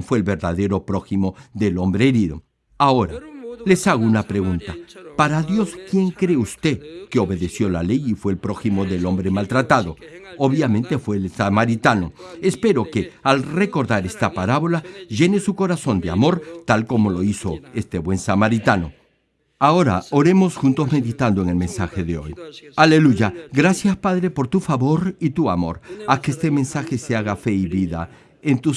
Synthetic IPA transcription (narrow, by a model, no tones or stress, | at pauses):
fweːlβe̞ɾðaðe̞ɾo̞pɾo̞ximo̞ðe̞lo̞mbɾeeɾiðo̞̰ | ao̞ɾa̰le̞saɣ̞o̞unapɾe̞ɣunt̪apaɾaðjo̞skje̞ŋkɾe̞ust̪e̞keo̞βe̞ðe̞sjo̞lale̞jifwe̞ːlpɾo̞ximo̞ðe̞lo̞mbɾemalt̪ɾat̪aðo̞ | oβjamẽ̞nt̪e̞fwe̞ːlsamaɾit̪ano̞espe̞ɾo̞kealre̞ko̞ɾðaɾe̞st̪apaɾaβo̞laʒe̞nesuko̞ɾaso̞nd̪ea̰mo̞ɾt̪alko̞mo̞lo̞iso̞e̞st̪e̞βwe̞nsamaɾit̪ano̞̰ | aoɾa̰o̞ɾe̞mo̞sxunt̪o̞zme̞ðit̪and̪o̞eŋe̞lmẽ̞nsaxe̞ðeo̞̰jale̞luʝaɡɾasjaspaðɾe̞po̞ɾt̪ufaβo̞ɾit̪uamo̞̰ɾakeest̪e̞mẽ̞nsaxe̞seaɣafe̞iβiða̰ | ent̪u